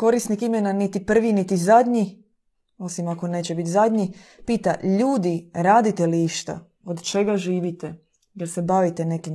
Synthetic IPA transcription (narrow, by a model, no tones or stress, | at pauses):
ko̞ɾisnikimenanit̪ipr̩ʋinit̪izad̪ʲɲi | o̞simako̞ne̞ːt͡ɕebit̪zad̪ɲi | piːt̪aʎuːd̪iɾaːd̪it̪e̞liiʃt̪a̰ | od̪t͡ʃe̞ɡaʒiːʋit̪e | jeɾse̞baʋit̪ene̞kim